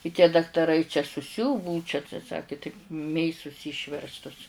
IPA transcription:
ɪ tʲiɛ dɐktɐˈrɐɪ t͡ʃʲɛ sʊˈsʲʊʋʊ ˈbʊʊ t͡ʃʲɛ tɐɪ ˈsɑːkʲɪ tɐɪp ˈmʲeːsʊs ˈiːʃʲʋʲɛrstʊs

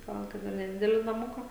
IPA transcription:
ˈɡɐlˠ ˈkɐt ɪr nʲɛˈdʲɪdʲɛlʲɪ nɐˈmʊkɐ

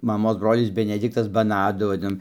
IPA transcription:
mɐˈmoːs ˈbroːlʲɪs bʲɛnʲɛˈdʲɪktɐs bɐˈnɑːdʊ ʋɐˈdʲɪnoːm

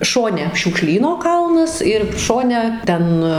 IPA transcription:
ˈʃoːnʲɛ ʃʲuːkˈʃʲlʲiːnoː ˈkɐlˠnɐs ɪr ˈʃoːnʲɛ ˈtʲɛn

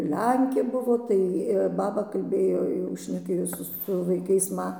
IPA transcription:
ˈlʲɛŋʲkʲeː ˈbʊʋoː tɐɪ ˈbɑːbɐ kɐlʲˈbʲeːjoː jɛʊ ʃʲnʲɛˈkʲeːjoː sʊ sʊ ʋɐɪˈkɐɪs ˈmɐ

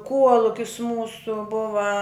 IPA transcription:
ˈkuɔlˠʊkʲɪs ˈmuːsʊ ˈbʊʋɐ

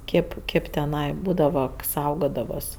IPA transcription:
ˈkʲeːp ˈkʲeːp tʲɛˈnɐɪ ˈbuːdɐʋɐ ˈsɐʊɡoːdɐʋɐs

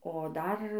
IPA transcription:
oː ˈdɐr

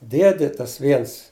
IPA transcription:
ˈdʲiɛdʲɪ ˈtɐs ˈʋʲiɛns

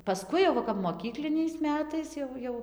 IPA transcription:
pɐˈskʊɪ jɛʊ ˈʋɐ kɐp moːˈkʲiːklʲɪnʲɛɪs ˈmʲæːtɐɪs jɛʊ ˈjɛʊ

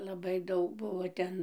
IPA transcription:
lˠɐˈbɐɪ ˈdɐʊk ˈbʊʋoː ˈtʲɛn

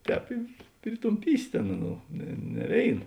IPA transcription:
ˈtʲɛːp ɪ pʲrʲɪtʊmʲˈpʲiːsʲɪ ˈtʲeːn ˈɑːˌnuː nʲɛ nʲɛ ˈʋʲeːɪn

